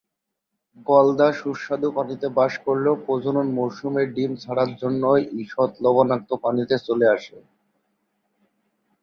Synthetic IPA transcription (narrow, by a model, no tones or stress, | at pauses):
ɡɔld̪aʃuʃad̪upanit̪ebaʃkoɾlepɾod͡ʑʱononmowʃumeɾɖimt͡ɕʰaɽaɾd͡ʑonːojʔiʃɔt̪lɔbanak̚t̪opanit̪et͡ɕoleaʃe